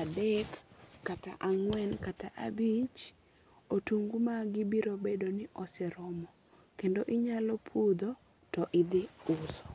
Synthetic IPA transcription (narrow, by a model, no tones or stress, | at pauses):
adɛkːata̰ʔaŋwɛnkataʔa̰bit͡ʃ | otuŋɡumaɡɪbiɾobedonɪʔɔsɛɾɔmɔ | kendoʔɪɲalɔpʰud̪o | tɔʔɪd̪ɪʊsɔ̥